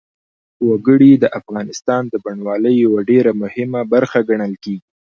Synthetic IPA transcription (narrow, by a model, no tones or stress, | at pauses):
waɡəɽid̪əʔafɣɑnɪst̪ɑnd̪əbaɳwɑləjjawaɖeɾamʊhɪmabaɾxaɡaɳəlkeɡi